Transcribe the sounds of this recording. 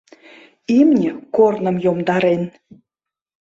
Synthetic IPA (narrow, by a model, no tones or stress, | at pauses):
imnʲə̆kornə̆mjomd̪ɑɾen